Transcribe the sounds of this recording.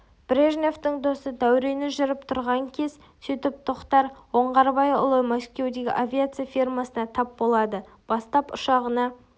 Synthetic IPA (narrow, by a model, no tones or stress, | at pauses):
b̥ɾʲeʒneft̪əɴd̪o̞səd̪æwɾe̞nɪʒʏɾɪpt̪ʰʊɾʁɑŋkʲʰe̞z̥ | sɵjt̪ɪp̚t̪ʰoqt̪ɑɾwo̞ɴʁɑɾbɑjʊ̰lˠəjmoskʲe̞wd̪e̞ɡʲɪ̰ʔavʲiat̪sɨjafʲirmasənɑt̪ʰɑp̚bo̞lˠɑd̪ə | b̥ɑst̪ɑpʊʃɑʁənɑ